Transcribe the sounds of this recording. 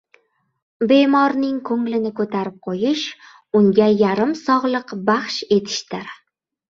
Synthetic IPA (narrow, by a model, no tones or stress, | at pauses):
be̞mɒɾnɪŋkʰɵŋlɪnɪkʰɵt̪ʰaɾɪp̚qʰojɪʃ | ʊŋɡʲajaɾɪmsɒʁlˠɨqbaχʃe̞t̪ʰɪ̥ʃt̪ɪɾ